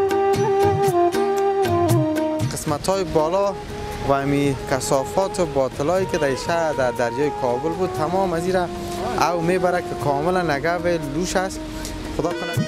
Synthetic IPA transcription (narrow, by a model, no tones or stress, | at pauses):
qɪsmat̪hɔjɪbɔlɔ | waːmikasɔfɔt̪ʊbɔt̪ɪlɔikɪd̪aiʃad̪ad̪aɾjɔːjɪkʰɔbʊlbud̪̚t̪ʰamɔmaziɾa | awmebaɾakɪkʰɔmɪlanːaɡawɪluʃas | xʊd̪ɔkʊna